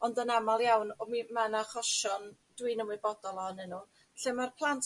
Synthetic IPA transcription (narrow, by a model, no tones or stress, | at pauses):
ɔndənamalˠjawnɔmimanaχɔʃɔn | d̥wɨnəmwɨbɔdɔlˠɔnɛnuː | ɬemarpʰlˠantʰ